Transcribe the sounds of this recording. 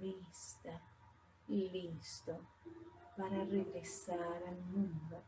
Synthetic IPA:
ist̪a | ilist̪o | paɾareɡɾesaɾanuŋɡa

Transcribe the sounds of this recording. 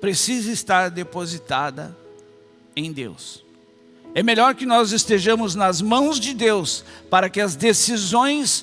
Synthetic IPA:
pɾesizɐɪst̪aɾd̪epozit̪ad̪ɐ̰ | ẽj̃d̪ḛws | ɛmeʎɔɾkɪnɔzɪst̪eʒɐ̃mʊznɐzmɐ̃w̃zd͡ʒɪd̪ewspaɾɐkɪɐzd̪esizõj̃s

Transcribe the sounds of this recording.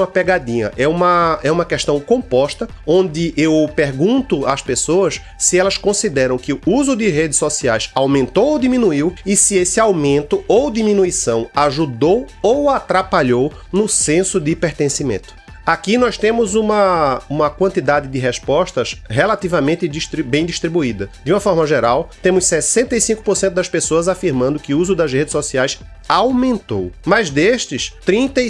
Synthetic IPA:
ɐpɛɡad̪ĩɲɐ̰ʔɛũmɐɛũmɐkɛʃt̪ɐ̃w̃kõpɔʃt̪ɐõnd̪ɪʔewpeɾɡũnt̪ʊaspesoɐs | sɪɛlɐskõsid̪ɛɾɐ̃w̃kɪʊuzʊd̪ɪɦed̪ɪsɔsiajsawmẽnt̪owowd̪imĩnuiwɪsɪesɪawmẽnt̪ʊowd̪imĩnuisɐ̃w̃aʒud̪owowat̪ɾapaʎow | nʊsẽsʊd̪ɪpeɾt̪ẽsimḛ̃nt̪ʊ̥ | akinɔʃt̪ẽmʊzũmɐũmɐkwɐ̃nt̪id̪ad̪ɪd̪ɪɦɛspɔʃt̪ɐsɦelat̪ivɐmẽnt̪ɪd̪iʃt̪ɾibẽj̃d̪iʃt̪ɾibuid̪ɐd̪ɪũmɐfɔɾmɐʒeɾawt̪ẽmʊssɛsẽnt̪ɐisĩŋkʊ̥poɾsẽt̪ʊd̪ɐspesoɐzafiɾmɐ̃nd̪ʊkɪuzʊd̪ɐzhed̪ɪsɔsiajs | awmẽnt̪o̰wmɐzd̪eʃt̪ɪst̪ɾĩnt̪ɐ

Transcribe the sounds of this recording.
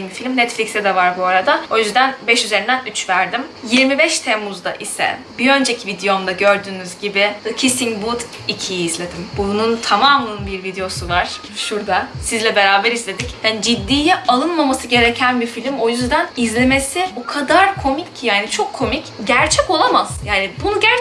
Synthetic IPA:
nbifilʲmnɛt̪flʲicksɛd̪ɛvaɾbuaɾad̪ao̞jyzd̪ænbɛʃyze̞ɾind̪ænyt͡ʃvæɾd̪imjiɾmibɛʃt̪ʰemuzd̪a̰ʔisɛ̰biø̞nd͡ʒecʰivid̪ejond̪aɟø̞ɾd̪yːnyzɟibɪcʰisiŋbud̪ | icʰijiːzlʲe̞d̪imbununt̪ʰamaːmˠɯnbiɾvid̪ejo̞suvaɾ̥ | ʃuɾd̪asizlʲɛbe̞ɾaːbɛɾizlʲe̞d̪icjand͡ʒid̪ːiːlɛʔalˠɯnmamasɯɟe̞ɾecʰænbifilʲimo̞jyzd̪ænizlʲeme̞sibokʰad̪aɾkʰo̞micʰjaːnit͡ʃʰo̞kʰːo̞micɟæɾt͡ʃʰɛco̞lˠamaz̥jaːnibunuɟæɾ

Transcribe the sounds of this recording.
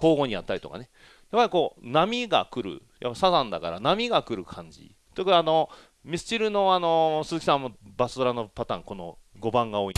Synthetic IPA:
ko̞ːɡo̞ɲ̟ijat̪ːaɾʲit̪o̰ka̰ne | japːaɾʲiko̞ːnamʲiɡa̰kɯ̟ɾɯ̰ | ja̰pːaisazãnd̪akaɾa̰namʲiɡakɯ̟ɾɯ̟kʰãɲ̟d͡ʑḭ | t̪okɯano̞ | mʲisɨ̥t͡ɕiɾɯ̟no̞ano̞sɨzɨkʲisãmːobasɨd̪oɾano̞pat̪ã̰ːŋko̞no̞̰ɡo̞bãŋɡao̞ːi

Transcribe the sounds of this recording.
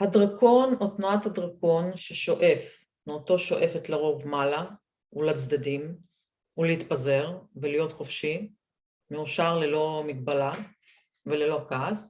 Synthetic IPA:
hadʁakʰo̞notnuat̪hadʁako̞nʃeʃo̞ʔe̞f | meoto̞ʃo̞ʔe̞fet̪leʁo̞vmala | ulat͡sd̪adim | uleit̪paze̞ʁvelijo̞tχofʃi | meuʃaʁlelo̞mikbala | velelo̞kaz

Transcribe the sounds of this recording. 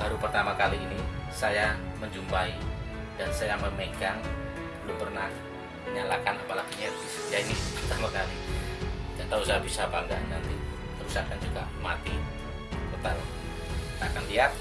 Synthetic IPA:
baɾupərt̪amakaliːnisajaməɲd͡ʒumpai | dansajaməmeɡaŋ | pəlupərnah | məɲalakanapalaɡuɲadisəd͡ʒainɪspərt̪amakali | d͡ʒant̪ausaɦabisabaŋɡa̰nnant̪i | t̪əɾusakkand͡ʒuɡamat̪i | t̪ot̪al | it̪aːkanliat̪̚

